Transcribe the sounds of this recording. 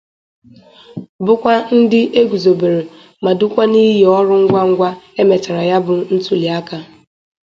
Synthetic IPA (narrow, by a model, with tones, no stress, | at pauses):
bʊ˦kʷa˦n̩˦dɪ˦ʔe˦ɡu˨zo˨be˨ɾe˨ | ma˨dʊ˦kʷa˦ni˦ɦe˨ɔ˦ɾʊ˦ŋ̩˦ɡʷa˦ŋ̩˦ɡʷa˦e˦me˨ta˨ɾa˨ja˦bʊ˨n̩˦tu˨li˨a˦ka˦